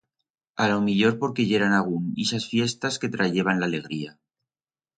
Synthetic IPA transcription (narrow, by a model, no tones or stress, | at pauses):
alomiʎo̞ɾpo̞ɾke̞ʝe̞ɾanaɣ̞unisasfje̞st̪aske̞t̪ɾaʝe̞β̞anlaːle̞ɣ̞ɾia